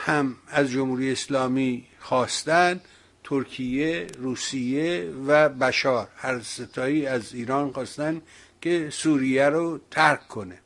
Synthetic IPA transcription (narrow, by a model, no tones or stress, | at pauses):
hæmæzd͡ʒomhuːɾijeeslɒːmiːxɒːst̪ænd̪ | t̪ʰoɾkʰijeruːsijevæbæʃɒːɾhæɾset̪ʰɒːiːæziːɾɒːnxɒːst̪ænd̪ | kʰesuːɾijæɾot̪ʰæɾkkʰːone